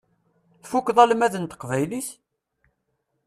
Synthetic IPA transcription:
θfukːðˤælmæðənt̪ə̥qvæjliθ

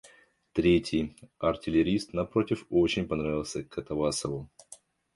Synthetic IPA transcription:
t̪ɾʲetʲɪjɐrtʲɪlʲɪɾʲist̪nɐpɾo̞tʲɪfo̞t͡ɕɪnʲpɐnɾavʲɪlˠsʲəkɐt̪ɐvasəvʊ

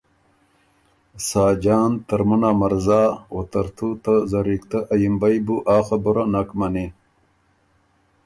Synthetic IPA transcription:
saːd͡ʑaːnt̪ɐɾmunamɐɾzaːwot̪ɐɾt̪ʰut̪ɐzɐɾikt̪ɐʔɐjimbajbuʔaːxabuɾanakmɐni

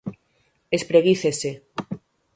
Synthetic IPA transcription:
espɾeɣiθese

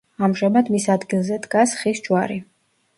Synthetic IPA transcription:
amʒamad̪misad̪ɡilˠzɛd̪ɡasχisd͡ʒwaɾi

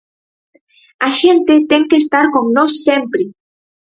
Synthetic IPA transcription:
aʃent̪et̪eŋkeːst̪aɾkoŋnosːempɾe

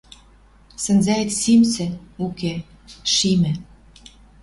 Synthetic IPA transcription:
sə̆nzæet̪simsɘ̆uke | ʃimɘ̆

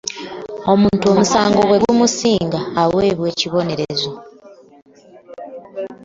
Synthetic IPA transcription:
o̞muːntuo̞musaːŋɡo̞βwe̞ɡumusiːŋɡaːwe̞ːβwe̞ːciβo̞ne̞ɾezo

